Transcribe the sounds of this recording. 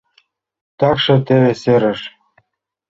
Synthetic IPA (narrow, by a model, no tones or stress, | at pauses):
t̪ɑkʃɤ̆t̪eβeseɾɘ̆ʃ